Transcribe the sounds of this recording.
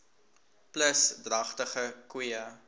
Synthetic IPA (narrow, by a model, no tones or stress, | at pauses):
pləsdrɐχtəχəkwiə